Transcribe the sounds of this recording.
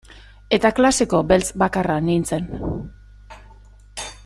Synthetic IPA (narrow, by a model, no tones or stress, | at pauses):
e̞t̪aklase̞ko̞be̞lt͡sbakaranint͡se̞n